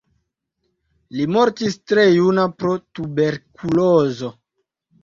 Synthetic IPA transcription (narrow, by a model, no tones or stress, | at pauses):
limoɾtistɾejunapɾotube̞ɾkʰulozo